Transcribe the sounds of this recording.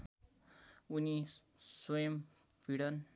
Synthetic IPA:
uni | swʌjʌm | piɽʌn

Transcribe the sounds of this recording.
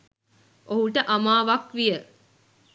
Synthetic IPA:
ʔoɦuʈəʔamaːʋakʋijə

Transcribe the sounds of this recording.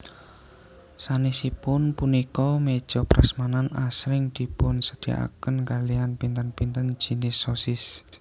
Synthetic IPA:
sanisipʊnpunikɔmed̥ʒ̥ɔ̤pɾa̰smananasɾɪŋd̪̥i̤pʊnsəd̪̥i̤a̰kənkalianpint̪ənpint̪ən̥ʒ̥i̤nɪsosɪs

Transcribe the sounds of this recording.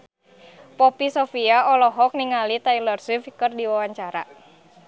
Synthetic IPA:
pɔpisɔfiaɔlɔɦɔk̚niŋalit̪ailərsifkɨrdiwawaɲt͡ʃaɾa̰

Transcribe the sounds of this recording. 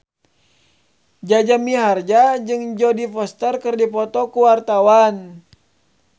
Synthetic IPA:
d͡ʒad͡ʒamiɦard͡ʒad͡ʒɨŋd͡ʒɔdifɔst̪ərkərdipɔt̪ɔkuwart̪awan

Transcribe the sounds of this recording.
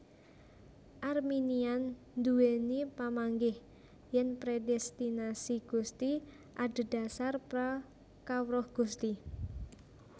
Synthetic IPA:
ʔarminian | nd̪uwenipamaŋɡɪh | jɛnpɾedɛst̪inasiɡ̥ust̪i | ʔad̪̥ə̤d̥a̤sarpɾa | kawɾɔhɡ̥ust̪i

